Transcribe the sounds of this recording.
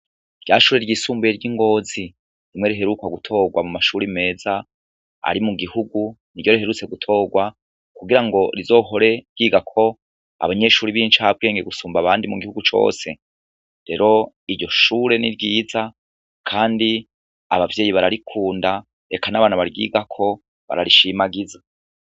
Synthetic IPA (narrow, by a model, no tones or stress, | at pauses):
ɾɟaːʃuːɾe̞ɾɟiːsuːmbeɾɟiŋɡo̞ːzi | ɾimŋe̞ɾiɦe̞ɾukwaɡutʰo̞ːɡwamumaʃuːɾime̞ːza | a̰ɾimuɡihuɡuniɾɟo̞ɾihe̞ɾut͡se̞ɡutʰo̞ːɡwa | kuɡiɾaŋɡo̞ɾizo̞ːɦo̞ɾe̞ɾɡ̥iːɡakʰo̞ | a̰βaɲe̞ʃuːɾiβiːnt͡ʃab̚ɡe̞ːŋɡeɡusuːmbaβaːndimuɡihuɡut͡ʃo̞̰ːse̞ | ɾe̞ɾo̞ | iɾɟo̞ʃuːɾe̞niɾɡiːza | kʰaːndi | a̰βavje̞ːjiβaɾaɾikʰuːnda | ɾe̞kanaβaːnaβaɾɡḭːɡakʰo̞ | βa̰ɾaɾiʃimaɡiza